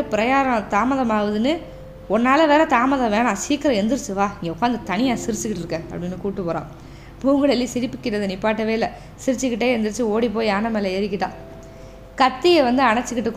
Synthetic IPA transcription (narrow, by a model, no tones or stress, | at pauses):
ɯpɪɾɐjaːɾɐɐt̪aːmɐðɐmaːʋɐðɯnɯ | ɔnːaːlɐʋeːɾɐt̪aːmɐðɐ̃ʋeːɳãːsiːkːɪɾɐ̃ɛnd̪ɯɾɯt͡ʃːɯʋaːɪŋɡɛʊkːaːnd̪ɯt̪ɐnɪjaːsɪɾɪt͡ʃːɯkɪʈːɪɾɯkːɛ̃ɐ̰pːɐɽɪnːɯkuːʈːɯpoːɾã̰ː | puːŋɡɐɭɛlːisɪɾɪpːɯkːɪʈːɐðɯnipːaːʈːɐʋeːɪlːɐ | sɪɾɪt͡ʃːɯkːɪʈːeːɛnd̪ɯɾɯt͡ʃːɯoːɽip̬ːoːjaːnɐmeːlɐɛɾɪkːɪʈːãː | kɐt̪ːɪjɛʋɐnd̪ɯɐɳɐt͡ʃːɯkːɪʈːɯkː